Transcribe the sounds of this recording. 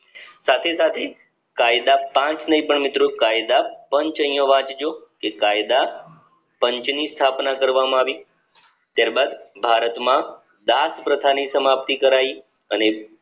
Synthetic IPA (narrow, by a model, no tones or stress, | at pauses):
sat̪ʰesat̪ʰe | kajd̪apãt͡ʃnəɦĩpəɳmɪt̪ɾokajd̪apəɲt͡ʃəjjõʋãt͡ʃd͡ʒokekajd̪a | pəɲt͡ʃnist̪ʰapnakəɾʋamãaʋi | t̪jaɾbad̪bʱaɾət̪mã | d̪aspɾət̪ʰanisəmab̚t̪ikəɾai | əne